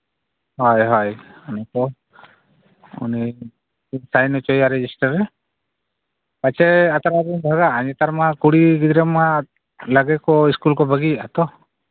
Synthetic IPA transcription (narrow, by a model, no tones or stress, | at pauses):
ɦɔjɦɔjunɛkɔ | ṵni | sajnɔt͡ʃɔjaɾɛd͡ʒisʈaɾɛ | pat͡ʃɛat̪aɾabinbʱaɡaːɲɛt̪aɾmakuɽiɡid̪ɾema | ləɡɛkɔiskulkɔbʱəɡiat̪ɔ